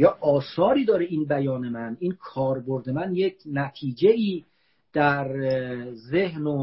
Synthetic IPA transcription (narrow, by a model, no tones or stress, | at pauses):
jɒːʔɒːsɒːɾiːd̪ɒːɾeiːnbæjɒːne̞mæninkʰɒːɾbo̞ɾd̪e̞mænjecʰnæt̪ʰiːd͡ʒeiː | d̪̥æɾ | ze̞ɦno